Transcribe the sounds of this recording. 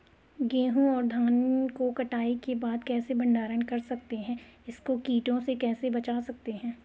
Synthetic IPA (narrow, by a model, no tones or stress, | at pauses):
ɡeːɦũɔːɾd̪ʱaːnkokɐʈaːikebaːd̪kɛːsebɐ̃ɳɖaːɾənkɐɾsɐk̚t̪eɦɛ̃ːɪskokiːʈõsekɛːsebɐt͡ʃaːsɐk̚t̪eɦɛ̃ː